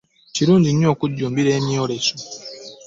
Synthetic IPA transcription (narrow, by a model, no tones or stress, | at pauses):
ciɾuːɲɟiɲo̞ːkuɟːuːmbiɾeːmioɾeso